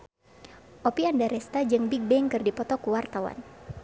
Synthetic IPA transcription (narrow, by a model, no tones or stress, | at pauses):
ʔopiandaɾɛst̪ad͡ʒɨŋbik̚bɛŋkɨrdipɔt̪ɔkuwart̪awa̰n